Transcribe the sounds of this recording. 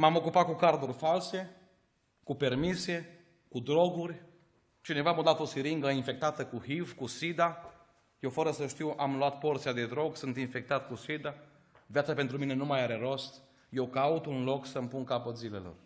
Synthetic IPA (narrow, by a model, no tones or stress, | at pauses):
mamo̞kupat̪̚kukard̪urʲfalse̞ | kupe̞rmise̞ | kud̪ɾo̞ɡurʲ | t͡ʃine̞vamod̪at̪o̞siɾiŋɡəinfe̞k̚t̪at̪əkuhivkusid̪a | jewfəɾəsəʃt̪iwʔamluat̪̚po̞rt̪siad̪e̞d̪ɾo̞ɡsɨnt̪infe̞k̚t̪at̪kusid̪a | vjat̪sape̞nt̪ɾumine̞numajaɾe̞ɾo̞st̪ | je̞wkaut̪unlo̞ksəmpunkapət̪zile̞̰lo̞̰r